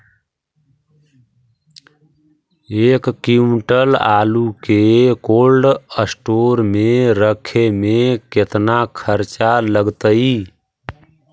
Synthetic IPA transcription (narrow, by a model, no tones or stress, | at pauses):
ekːimʈəla̰lukekolɖəsʈoɾmeɾəkʰemeket̪nakʰəɾt͡ʃaləɡt̪əi